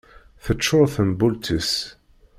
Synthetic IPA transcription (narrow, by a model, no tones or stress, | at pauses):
θət͡ʃːoɾθənbult̪is